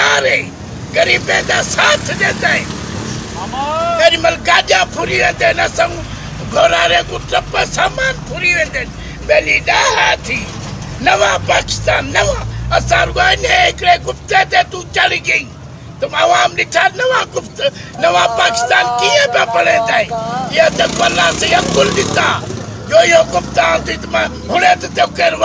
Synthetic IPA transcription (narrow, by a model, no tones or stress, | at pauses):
aːɾẽ | ɡɐɾiːpeːd̪aːsaːt̪ʰɗeːnd̪aːĩ | ɐɾimɐlkaːʄaːpʰʊɾiʋẽːnd̪eːnɐsãũː | ɡʱoːɾaːɾẽːɡʊp̚t̪ɐpɐsaːmaːnpʰʊɾiʋẽːnd̪eːn | ɓeːliːɗaːɦaːt̪ʰiː | nɐʋãːpaːkɪ̥st̪aːnːɐʋãːɐsaːɾʊɡaːneekɽekʊpt̪et̪et̪ũt͡ʃɐliɡeĩ | t̪ɐmɐʋaːmlɪʈʰaːnɐʋaːkʊpt̪ | nɐʋapaːkɪ̥st̪aːnkiepapɐɽet̪aːiat̪epɐlaːseɐkʊld̪ɪt̪aː | joːjokʊpt̪aːt̪it̪ma | ɦʊɽet̪et̪ekeɾʋ